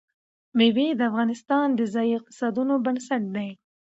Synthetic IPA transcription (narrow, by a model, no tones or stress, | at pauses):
mewed̪əafɣɑnɪst̪ɑnd̪əzɑjiɪq̚t̪ɪ̥sɑd̪unobansaʈ̚d̪aj